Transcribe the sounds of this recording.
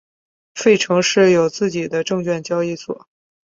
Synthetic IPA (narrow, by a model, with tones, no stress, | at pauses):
fe˥˩ɪʈ͡ʂʰɤ˧˥ŋʂɻ̩˥˩jo˨˩ʊt͡sɹ̩˥˩t͡ɕi˨˩d̪ə˦ʈ͡ʂɤ˥˧ŋt͡ɕɥɛ˥˩nt͡ɕjɑ˥ʊi˥˩swɔ̰˨˩˦